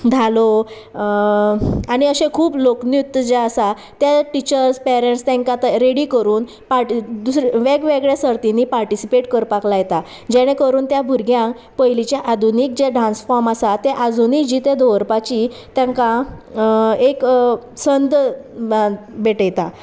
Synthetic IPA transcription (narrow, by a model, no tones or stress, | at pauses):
d̪ʱalo | aɽ̃iəɕẽkʰuːploknjut̪ːd͡ʑeəsa | t̪jaʈit͡ɕəɾspɛɾeɳʈst̪ẽŋkat̪aɾeɽikəɾuːn | paɾʈd̪usɾeʋeɡʋeɡɭjasəɾt̪inipaɾʈisipeʈkəɾpaklajet̪a | d͡ʑɛɽ̃ẽkəɾuːnt̪jabʱuɾɡjãŋk | pəjlit͡ɕeʔad̪ʱuniːk̚d͡ʑeɖɾãnsfɔɾmasat̪eʔad̪ʱunikd͡ʑiːt̪ed̪oʋɾpat͡ɕit̪jãŋka | eksənd̪ | bʱeʈəjt̪a